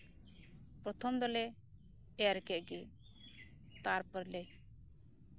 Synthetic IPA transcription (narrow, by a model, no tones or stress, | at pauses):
pɾɔt̪ʰɔmd̪ɔlɛ | ɛɾɛkɛʔɡe | t̪aɾpəɾlɛj